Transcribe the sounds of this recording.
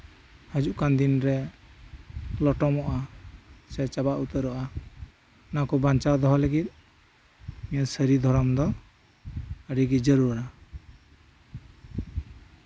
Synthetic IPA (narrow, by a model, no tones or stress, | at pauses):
həd͡ʒuʔkand̪inɾɛ | lɔʈɔmɔʔasɛt͡ʃabaʔut̪əɾɔʔa | nakɔbant͡ʃaɾd̪ɔɦɔləɡit̪̚ˀ | mijasəɾid̪ʱɔɾɔmd̪ɔ | əɽiɡid͡ʒəɾuɾa